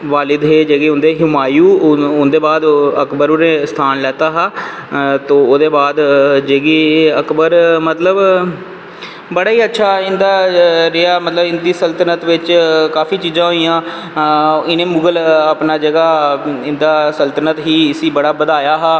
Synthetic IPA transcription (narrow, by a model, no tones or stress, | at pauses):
ʋaːlɪd̪ɦeːd͡ʒeːɡeːʊ̃nd̪eːɦɪmaːjuːʊnd̪eːbaːd̪əkbəɾʊɾẽːst̪ʰaːnlɛːt̪aːɦaː | t̪õːoːd̪eːbaːd̪d͡ʒeːɡiːəkbəɾmət̪ləb | bəɽaːiːətːʃʰaːɪnd̪aːɾeaːmət̪ləbɪnd̪iːsəlt̪ənət̪ʋɪt͡ʃkaːfiːt͡ʃiːzãːɦoːijãː | ɪnẽːmʊɡələpnaːd͡ʒəɡaːɪnd̪aːsəlt̪ənət̪ɦiːɪsiːbəɽaːbəd̪aːjaːɦaː